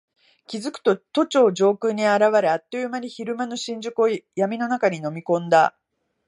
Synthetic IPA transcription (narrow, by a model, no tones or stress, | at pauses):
kʲizɨkɯ̟̥t̪o̞t̪o̞t͡ɕo̞ːd͡ʑo̞ːkɯ̟ɲ̟ːiaɾaβaɾɯ̟at̪ːo̞jɯmaɲʲiçiɾɯ̟mano̞ɕĩɲ̟d͡ʑɨkɯojamʲino̞nakaɲ̟ino̞mʲikõ̞nd̪a